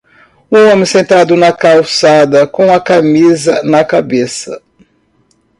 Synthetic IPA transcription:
ũõmɪ̃sẽnt̪ad̪ʊnɐkawsad̪ɐkõɐkamizɐnɐkabesɐ

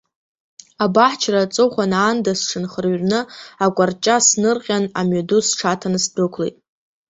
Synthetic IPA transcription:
abaħt͡ʃʰrat͡sʼoχʷanaːndasʈ͡ʂʰɨnχərɥnɨakʷʼart͡ʃʼasnɨrqʲʼana̰mɥadusʈ͡ʂʰatʰanɨsdɨkʷʰlejtʼ

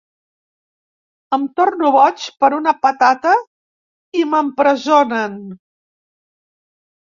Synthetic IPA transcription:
əmt̪ornuβɔt͡ʃpəɾunəpət̪at̪ə | iməmpɾəzonən

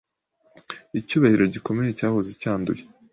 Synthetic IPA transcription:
icuːβahiɾo̞ɟiko̞me̞jecaːhozicaːndṵje

